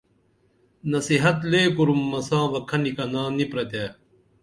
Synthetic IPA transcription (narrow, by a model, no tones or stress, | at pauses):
nɐsiɦɐt̪leːkuɾumːɐsãːʋɐkʰɐnikɐnãːnipɾɐt̪eː